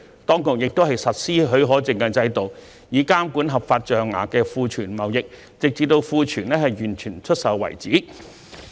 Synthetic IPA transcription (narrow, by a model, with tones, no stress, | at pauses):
t̪ɔː˥ŋkʊ˨k̚jɪ˨k̚t̪o˥wɦɐ˨˩jsɐ˨t̚siː˥ɦɵ˨˧ɥɦɔː˨˥t͡sɪ˨˧ŋkɛː˧t͡sɐ˧jt̪o˨w | jiː˨˧kaː˥mkuː˨˥nɦɐ˨p̚faː˧t̚t͡ʃœː˨ŋːa̰ː˨˩kɛː˧fuː˨˧t͡ʃʰyː˨˩nmɐ˨˩wjɪ˨k̚ | t͡sɪ˨k̚t͡si˨t̪o˧wfuː˧t͡ʃʰyː˨˩nlɛː˥hɐ˨jjyː˨˩nt͡ʃʰyː˨˩nt͡ʃʰɵ˥t̚sɐ˨˧wwɐ̰˨˩jt͡siː˨˥